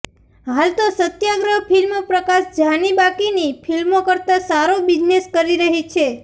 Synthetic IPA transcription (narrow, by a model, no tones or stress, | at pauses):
ɦalt̪osət̪jaɡɾəɦpʰilmopɾəkaʃd͡ʒanibakinipʰilmokəɾt̪asaɾobid͡ʒneskəɾiɾəɦit͡ʃʰe